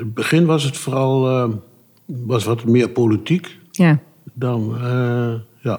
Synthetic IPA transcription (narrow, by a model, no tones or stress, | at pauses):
əbəχɪnʋɑs̬ətfoːrɑlˠ | ʋɑsʋɔtmɪːɹpolitik | ja | dɑnəja